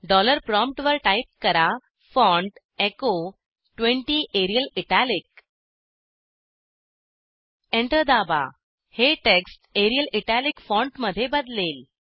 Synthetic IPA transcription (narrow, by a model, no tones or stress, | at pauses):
ɖɔləɾpɾɔmp̚ʈʋəɾʈajp̚kəɾa | fɔ̃ɳɖ | eko | ʈʋẽɳʈiʔeɾijəliʈalik̚ | ẽɳʈəɾd̪aba̰ | heʈeksʈeɾijəliʈalikfɔ̃ɳʈməd̪ʱːjebəd̪lel